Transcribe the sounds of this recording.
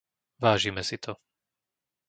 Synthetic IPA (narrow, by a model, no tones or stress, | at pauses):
ʋaːʒimɛsit̪ʰɔ